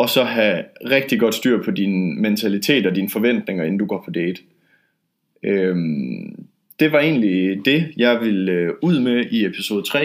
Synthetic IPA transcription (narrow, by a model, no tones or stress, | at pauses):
ɒ̽sɒ̽ɦæʁeɡ̥̚d̥iɡ̥ɒ̽d̥sd̥yɐ̰pʰɒ̽dinment͡sʰælit͡sʰe̝̰ːd̥ɒ̽d̥infɒ̽ʋen̰d̥ne̝ŋɐe̝n̩d̥uɡ̥ɒ̰ːpʰɒ̽d̥eɪd̥ | øm | d̥e̝ʋɑ̈e̝̰ːnlid̥e̝jɑ̈ɪʋeløuð̞̰ˠmeʔiepʰi̥so̝ːð̩ˠt͡sʰʁɛ̰ː